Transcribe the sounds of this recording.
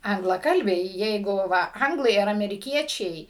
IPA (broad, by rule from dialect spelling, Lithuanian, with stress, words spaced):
ɐŋɡlˠɐˈkɐlʲbʲɛɪ ˈjɛɪɡʊ ˈʋɐ ˈɐŋɡlˠɐɪ ɐr ɐmʲɛrʲɪˈkʲiɛt͡ʃʲɛɪ